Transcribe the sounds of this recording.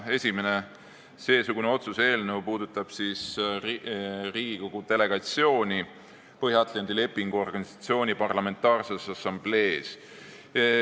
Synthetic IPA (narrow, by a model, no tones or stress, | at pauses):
esʲime̞ne̞ | se̞ːsuɡ̥une̞o̞t̪suse̞ːlnewpuːd̪ut̪ːˑɑb̥sis | riːɡ̥iko̞ɡ̥ud̪̥e̞le̞ɡ̥ɑt̪sio̞ːnʲi | pɤhjɑɑt̪lɑnd̪ile̞pːiŋɡ̥uo̞rɡ̥ɑnisɑ̥t̪sio̞ːnʲipɑrlɑme̞nt̪ːˑɑːrsesɑsːɑmble̞ːs